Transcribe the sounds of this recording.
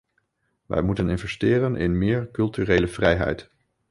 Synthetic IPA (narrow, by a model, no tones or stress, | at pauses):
ʋɛ̰jmutənɪnvɛstɪːrənʔɪ̰nmɪːɹkɵlˠtyrejləv̥rɛjɦɛ̰jt